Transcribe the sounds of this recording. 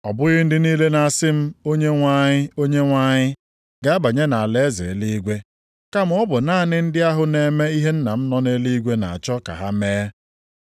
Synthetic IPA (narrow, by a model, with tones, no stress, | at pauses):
ɔ˨bʊ˦ɣɪ˦n̩˦dɪ˦niː˦le˦na˨a˨sɪ˦m̩˦o˦ɲe˦ŋʷa˦ɲɪ˦o˦ɲe˦ŋʷa˦ɲɪ˦ | ɡa˦a˦ba˨ɲe˦na˨a˨le˨˦zḛ˨li˦ɡʷe˦ | ka˦m˦ʊ˦bʊ˨naː˦˨nɪ˦n̩˦dɪ˦a˦ɦʊ˦ne˨me˦i˦ɦe˦n̩˦na˨m̩˦nɔ˦ne˦li˦ɡʷe˦na̰˨a˨t͡ʃɔ˦ka̰˨ɦa˦meː˦